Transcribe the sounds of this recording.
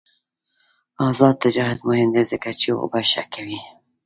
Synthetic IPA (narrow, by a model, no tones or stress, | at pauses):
ɑzɑd̪̚t̪ːɪd͡ʒɑːɦat̪mʊhɪmd̪ezɪkat͡ʃio̰baʃa̰kʰawi